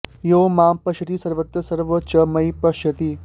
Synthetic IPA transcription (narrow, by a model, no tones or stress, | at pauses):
joːmaːmpɐʃɐt̪isɐɾʋɐt̪ːɐsɐɾʋɐt͡ʃɐmɐipɐʃɐt̪i